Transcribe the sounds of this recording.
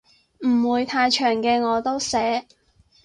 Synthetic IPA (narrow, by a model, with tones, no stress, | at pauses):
m̩˨˩wuː˨˧jt̪ʰaː˧jt͡ʃʰœː˨˩ŋkɛː˧ŋɔː˨˧t̪o˥wsɛː˨˥